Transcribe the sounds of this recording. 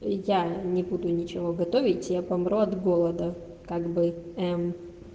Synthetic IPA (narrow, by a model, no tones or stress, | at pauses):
janʲɪbud̪ʊnʲɪt͡ɕɪvoɡɐt̪o̞vʲɪtʲjapɐmɾuɐd̪ɡolˠəd̪ə | kaɡbɨɛm